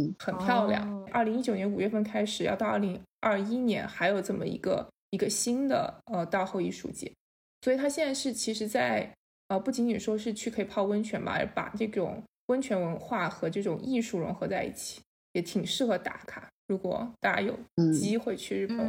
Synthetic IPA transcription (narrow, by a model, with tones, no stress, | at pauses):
xə˨˩npʰjɑ˥˧ʊljɑ̰˥˩ŋʔə˞˥˩li˧˥ŋi˥t͡ɕjo˨˩ʊnjɛ˧˥nu˨˩ɥɛ˥˩fə˥˩nkʰa˥ɪʂɻ̩˨˩jɑ˥˧ʊt̪ɑ˥˧ʊɐ˞˥˩li˧˥ŋɐ˥˩i˥njɛ̰˧˥nxa˧˥ɪjo˨˩ʊʈ͡ʂɤə˥˩nmə̰˩ḭ˧˥ɡə̰˧ | i˧˥ɡə˧ɕi˥nd̪ə̰˨ə˧t̪ɑ˥˧ʊxo˥˧ʊi˥˧ʂṵ˥˩t͡ɕɛ̰˧˥˦ | swɔ˧˥i˨˩t̪ʰa˥ɕjɛ˥˧nt͡sa˥˧ʂɻ̩˥˩t͡ɕʰi˧˥ʂɻ̩˧˥t͡sa˥˩ɪ | ə˧pu˥˩t͡ɕi˧˥ŋt͡ɕi˨˩ʂwɔ˥ʂɻ̩˥˧t͡ɕʰy˥˩kʰɤ˧˥i˨˩pʰɑ˥˩ʊwə˥nt͡ɕʰɥɛ˧˥nbɐ̰˨˧˥pa̰˨˩ʈ͡ʂɤ˥˩ʈ͡ʂʊ̰˨˩˦ŋ | wə˥nt͡ɕʰɥɛ˧˥nwə˧˥nxwa˥˩xɤ˧˥ʈ͡ʂɤ˥˩ʈ͡ʂʊ˨˩ŋʔi˥˧ʂu˥˩ɻʊ̰˧˥ŋxɤ˧˥t͡sa˥˧ɪḭ˥˩t͡ɕʰi̥˨˩˦ | jɛ˨˧˥t̪ʰi˨˩ŋʂɻ̩˥˩xɤ˧˥t̪a̰˨˩kʰa˨˩ɻu˧˥kwɔ̰˨˩˦t̪a˥˩t͡ɕa̰˥jo̰˨˩ʊt͡ɕi˥xwe˥˧ɪt͡ɕʰy˥˧ɻ̩˥˩pə˧˥˩